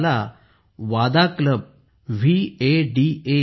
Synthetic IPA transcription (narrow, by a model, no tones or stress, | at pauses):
la | ʋad̪akləb̚ | ʋieɖie